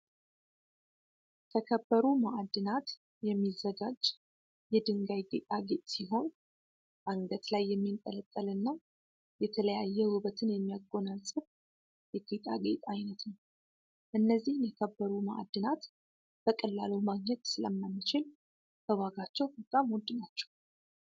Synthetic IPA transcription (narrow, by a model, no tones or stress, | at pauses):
t̪ʰəkʰəbːəɾumaʔad̪ːɨnat̪ | jɛmːizːəɡad͡ʒ | jɛd̪ɨŋɡajɡet̪ʼaɡet̪ʼsiɦo̞n | ʔaŋɡət̪lajːɛmːint̪ʼələt̪ʼːəlɨnːa | jɛt̪ʰələjajːɛhuβət̪ʰɨnjɛmːijaɡo̞nalsʼɨβ | jɛɡet̪ʼa̰ɡḛt̪ʼajnət̪nəw | ʔɨnːəzːihnjɛkʰəbːəɾuma̰ʔa̰d̪ːɨnat̪ | b̥əkʼəlːalumaɡɲɛt̪sɨləmːamːɨt͡ʃɪl | b̥əwaɡat͡ʃːɛwbət̪ʼamwɔd̪ːɨnat͡ʃːɛ̥w